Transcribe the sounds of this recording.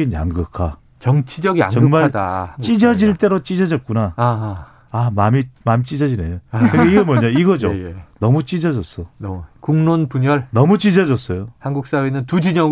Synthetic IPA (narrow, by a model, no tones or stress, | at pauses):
inja̰ŋɡɯkʰa | t͡ɕʌŋt͡ɕʰid͡ʑʌɡia̰t͡ɕŋʌɡɯŋmadat͡ɕ͈id͡ʑʌd͡ʑiɭt͈e̞ɾot͡ɕ͈id͡ʑʌd͡ʑʌt̚k͈unaa | amamimamit͡ɕ͈id͡ʑʌd͡ʑinejokɯɡeiɡʌmʌɲaiɡʌd͡ʑojnʌmut͡ɕ͈id͡ʑʌd͡ʑʌs͈ʌnkuŋnonpuɲʌɭnʌmut͡ɕ͈id͡ʑʌd͡ʑʌs͈ʌjohanɡuk̚s͈awenɯntud͡ʑiɲʌ